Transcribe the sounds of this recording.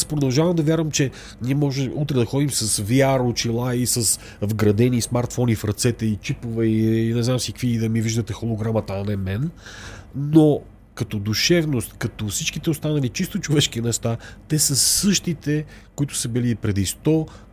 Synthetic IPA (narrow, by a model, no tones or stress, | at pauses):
aspɾod̪ɐlˠʒavɐmd̪ɐvʲjaɾvəmt͡ʃɛ | niɛmɔʒɛmut̪ɾɛd̪ɐxɔd̪imsɐsvjaɾʊt͡ʃilˠaisɐs | vɡɾɐd̪ɛnismaɾt̪fɔnifɾɐt̪sɛt̪ɛit͡ʃipovɛinɛznamsi̥kviːd̪ɐmiviʒd̪ət̪ɛxolˠoɡɾamət̪anɛmɛn | no | kɐt̪ɔd̪uʃɛvnost̪kɐt̪ɔfsit͡ʃkit̪ɛost̪anɐlit͡ʃist̪ot͡ʃovɛʃkinɛʃt̪at̪ɛsɐsɤʃt̪it̪ɛ | koit̪ʊ̥səbilipɾɛd̪ist̪ɔ